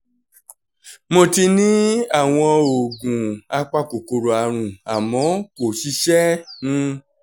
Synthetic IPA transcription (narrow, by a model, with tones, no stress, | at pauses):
mõ˧ti˧nĩ˦a˦˨w̃ɔ̃˧o˨ɡũ˨a˧k͡pa˧ko˨ko˨ɾo˨a˨ɾ̃ũ˨a˨mɔ̃˨˦ko˨ʃi˧˦ʃɛ˦nũ˧˦